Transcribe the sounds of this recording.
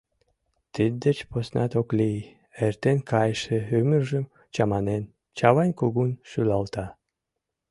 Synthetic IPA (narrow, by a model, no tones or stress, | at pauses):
t̪id̪̚d̪ət͡ɕposnʔɑ̰t̪okli | ert̪enkɑjʃeymərʒəm | t͡ɕɑmɑnen | t͡ɕɑβɑnʲkuɣunʃylɑlt̪ɑ